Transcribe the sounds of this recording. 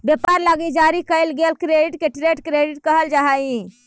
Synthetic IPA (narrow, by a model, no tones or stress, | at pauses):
bjepaɾlaɡid͡ʒaɾikəjlɡelkɾeɖiʈkeʈɾeʈkɾeɖiʈ̚kəɦəld͡ʒaɦai